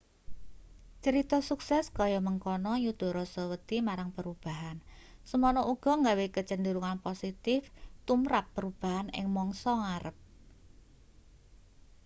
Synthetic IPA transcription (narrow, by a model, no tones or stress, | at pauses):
t͡ʃəɾit̪ɔsuksɛskɔjɔməŋkɔnɔjud̪̥ɔ̤ɾɔsɔwət̪imaɾaŋpəɾub̥a̤ɦansəmɔnɔʔuɡ̥ɔ̤ŋɡawekət͡ʃənd̪əɾuŋanposit̪ɪft̪umɾapːəɾub̥a̤ɦanɪ̰ŋmɔŋsɔŋaɾəp̚